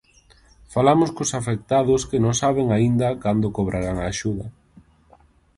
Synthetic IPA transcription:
falamʊskʊsafek̚t̪aðʊskɪnõŋsaβeŋaind̪ɐkand̪ʊkoβɾʔaɾaŋaːʃuðɐ

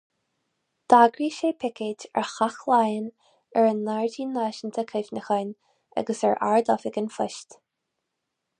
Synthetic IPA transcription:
d̪̥aɡɾiːʃeːpʰɪkeːtɛ̰ɹxaxlajən | ɛɹənːaɹdiːnaːʃənt̪ʰəkʰɪvnəxən | ʔa̰ɡəsɛ̰ɹʔa̰ɹd̪ɔfɪɡənfɪʃt̪

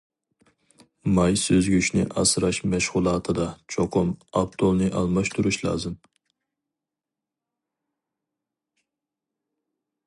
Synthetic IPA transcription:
mɑjsøzɡʲyʃnɪ̰ʔɑ̰sɾɑʃmɛʃʁʊlˠɑːt̪ʰɨd̪ɑt͡ʃʰoqʰʊmɑpt̪ʰolˠnɨʔɑlˠmɑʃt̪ʰuɾuʃlˠɑ̰ːzɨm

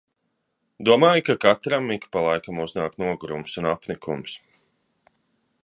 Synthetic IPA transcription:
d̪uɔmaːjkakat̪ɾamːikpalˠajkamuznaːkt̪nuɔɡuɾumsunapnikʰums

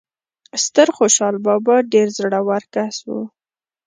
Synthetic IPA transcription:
st̪əɾxoʃɑlbɑbɑɖeɾzɽawaɾkaswṵ

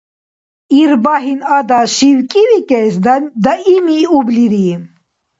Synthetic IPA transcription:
iɾbaɦinad̪aʃiwkʼiwikʼɛsd̪aimiubliɾim

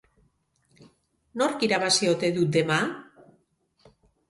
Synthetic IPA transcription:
no̞ɾkiɾaβasio̞t̪e̞ðut̪̚d̪e̞ma

